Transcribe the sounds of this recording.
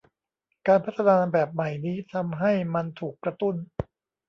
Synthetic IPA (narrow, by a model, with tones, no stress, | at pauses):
kaː˧npʰa˦˥t̪ʰːa˧naː˧nbɛː˨˩p̚ma˨˩jniː˦˥t̪ʰa˧mɦa˥˩jma˧nt̪ʰuː˨˩kːɾa˧t̪u˥˩n